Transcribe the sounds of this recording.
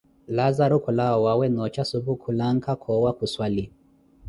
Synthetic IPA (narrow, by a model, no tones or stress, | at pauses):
lazaɾukulawawawɛnɔt͡ʃasuβukʰulaŋkʰakʰɔwakuswali